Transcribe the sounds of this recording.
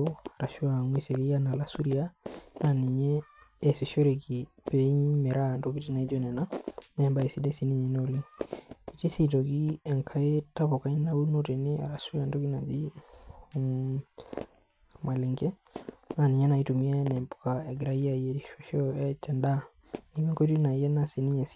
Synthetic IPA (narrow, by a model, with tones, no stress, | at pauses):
o˦a˨ɾa˨ʃu˦a˨ŋwi˦se˨ki˦ja˦na˨la˨su˦ɾi˦a˦na˨ni˨ɲɛː˦˨se˨ʃo˦ɾe˨ki˨ | pe˨i˦ɲme˨ɾa˦˨nto˨ki˦ti˦na˨i˦d͡ʒo˦nɛ˨na˦mɛ˨mba˦e˨si˦de˦si˦ni˦˨ɲɛ˨no˦˨li˦ŋi˨ti˦si˦˨to˨ki˦ɛ˨ŋkʰa˦e˦ta˦po˨ka˨˦i˦na˦u˦no˦te˨ne˦a̰˨ɾa˨su˦ɾi˦a˨ndo˦ki˦na˨d͡ʒi˦ | ma˨li˨ŋkɛ˦ | na˨ni˨ɲɛ˦na˨i˦tu˨mi˦a˦nɛ˨mpo̥˨ka˨ɛ˨ɡɾa˦i˦a˦˨je˨ti˦ʃo˨ʃɔ˦ɛ˦tɛ˨nda˦ | ni˨mɛ˦ŋko˦ti˦na˨˦jɛ˦na˦si˨ni˦ɲe˨s